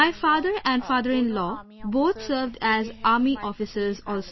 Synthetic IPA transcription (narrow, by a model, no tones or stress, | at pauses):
aɪfaːd̪əɾɛ̃ɳɖfaːd̪əɾɪ̃nlɔːboːt̪ʰsəɾʋɖæzaːɾmiʔɔːfɪsəɾzɔːls